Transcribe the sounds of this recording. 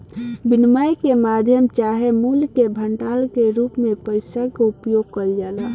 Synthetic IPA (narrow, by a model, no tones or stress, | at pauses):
binmajkemad̪ʱjəmt͡ʃaɦemulkebʱəɳʈalkeɾupmẽpəɪsakoupjoɡ̚kəɾid͡ʒala